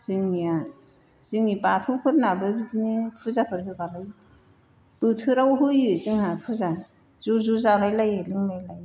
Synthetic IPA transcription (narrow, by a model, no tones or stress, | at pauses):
z̥ɯŋmija | z̥iŋipatʰɯkʰɯt̚nabɯbizinepʰuzapʰɯɾhɯbalaj | b̥ɯtʰɯɾawɦɯjɯziŋhapʰuza | z̥uzuzalajlajelɯŋmajlaj